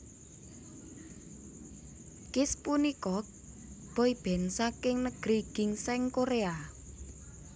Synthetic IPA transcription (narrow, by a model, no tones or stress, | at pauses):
kɪspunikɔ | b̥ɔib̥ɛ̤nsakɪŋnəɡ̥ɾiɡ̥ɪ̤ŋsɛŋkoɾea